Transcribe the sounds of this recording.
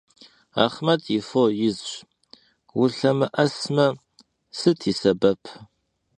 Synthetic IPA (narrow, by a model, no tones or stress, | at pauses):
a̰ːχmɐtʰjɪfojɪzɕʷ | wʊɬɐmɨʔɐsmɐ | sɨtʰiːsɐbɐpʰ